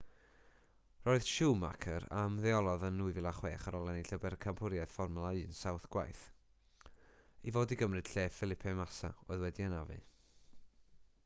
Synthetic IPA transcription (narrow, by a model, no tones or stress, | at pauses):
roːɨð̥ʃuːma̰kʰəɾa̰mðɛɔlˠɔðənːuɨvɪlˠaχweːχaɾʔɔlˠɛniɬəbɛrkʰampʰʊɾjaɨð̥fɔrmlˠaɨnsawθɡ̥wa̰jθ | ivoːdiɡəmrɨd̥ɬeːfɪlˠɪpʰɛmasa̰oɨðwɛdiənavɨ̰